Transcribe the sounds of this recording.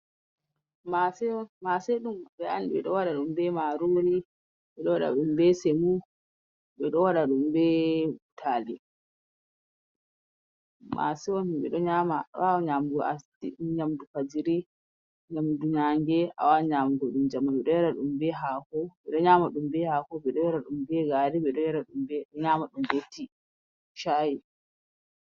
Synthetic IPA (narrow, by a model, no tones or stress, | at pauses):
masɛmasɛɗumɓɛandiɓɛ̰ɗɔwaɗaɗumbɛmaɾoɾi | ɓɛɗɔwaɗa̰ɗumbɛsɛmu | ɓɛɗɔwaɗaɗumbɛutʰaːli | ma̰sɛwɔnɓɛ̰ɗɔɲamaɗ̰aɲamdua̰s | iɲamdupad͡ʒiɾi | ɲamduɲaŋɡɛʔa̰waɲamdɔɗumd͡ʒamːaɓɛɗɔjaɾaɗumbɛɦakɔɓɛɗɔɲamaɗumbɛhakɔɓɛɗɔjɛɾaɗumbɛɡaɾiɓɛɗɔjaɾaɗumbɛɲamaɗumdetːi | ʃaji